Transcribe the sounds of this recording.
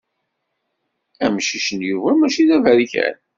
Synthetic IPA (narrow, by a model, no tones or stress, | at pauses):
æmʃiʃənjuvæmæʃiðævæɾiçæ̰n